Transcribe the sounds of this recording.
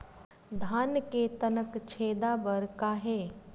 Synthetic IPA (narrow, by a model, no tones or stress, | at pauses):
d̪ʱaːnkeːt̪ənəkt͡ʃʰeːd̪aːbəɾkaːɦeː